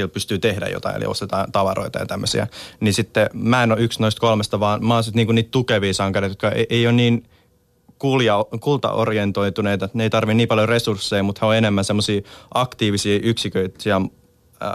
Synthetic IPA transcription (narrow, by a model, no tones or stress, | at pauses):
iel̚pyst̪yːt̪ehdæ̰jo̰t̪ɑ̰ḭḛlḭo̰st̪et̪ɑːt̪ɑʋɑɾo̰it̪ɑjɑ̰t̪æmːøsḭæ̰nisit̪ːemæenoyksnoist̪̚kolmest̪ɑʋɑːnmɑːsit̪niːŋkuniːt̪t̪ukeʋiːsɑŋkɑret̪jot̪kɑḛʔeionniːn | kuljɑkult̪ɑ̰ʔo̰rjent̪oit̪uneit̪ɑet̪neit̪ɑrʋinniːpɑljoresursːeimut̪hæoenemːænsemːosiːʔɑkt̪iːʋisiːʔyksikøit̪siæ